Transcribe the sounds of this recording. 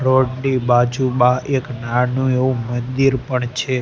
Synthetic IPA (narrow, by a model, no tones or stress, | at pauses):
ɾoɖɖibad͡ʒubaeknanũeũmənd̪iɾpəɳt͡ʃʰe